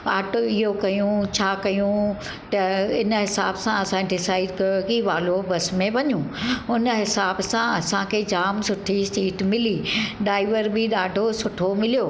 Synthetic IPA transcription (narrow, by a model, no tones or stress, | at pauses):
aːʈoɪɦokɐjũt͡ɕʰaːkɐjũ | t̪ɐɪnɦɪsaːbsãɐsãɖɪsaːɪɖkɐjokiʋaːlobɐsmẽʋɐɲũʊnɦɪsaːbsãɐsãkʰeːd͡ʑaːmsʊʈʰisiːʈmɪliɖaːɪʋəɾbɪɗaːɖʱosʊʈʰomɪlijoː